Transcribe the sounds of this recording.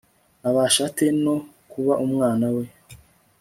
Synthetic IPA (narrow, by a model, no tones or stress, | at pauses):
aβaʃateno̞ | kuβaʔumŋaːnawe̞